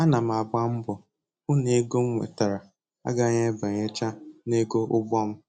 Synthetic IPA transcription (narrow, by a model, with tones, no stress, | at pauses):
a˦na˨m̩˨a˨ba˦m̩˦bʊ˨ | ʊ˦ne˦ɡo˦ŋ̩˦ŋʷḛ˨ta˨ɾa˨ | a̰˦ɡa˦ɲe˦ba˨ɲe˦t͡ʃa˦ne˦ɡo˦ʔʊ˦bʷɔ˦m̩˦